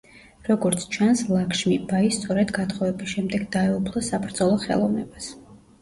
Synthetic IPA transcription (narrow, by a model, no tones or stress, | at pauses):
ɾɔɡɔɾt̪sʰt͡ʃʰanslˠakʃmibaist̪sʼɔɾɛd̪ɡat̪χɔvɛbisʃɛmd̪ɛɡd̪aɛupʰlˠɔsabɾd̪zɔlˠɔχɛ̰lˠɔvnɛ̰bas